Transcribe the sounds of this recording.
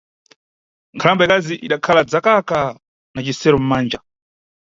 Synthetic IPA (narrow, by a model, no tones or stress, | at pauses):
ŋkʰalambaɛkaziʔiɗakʰalad͡zakaka | nat͡ʃisɛɾɔm̩maːnd͡ʒa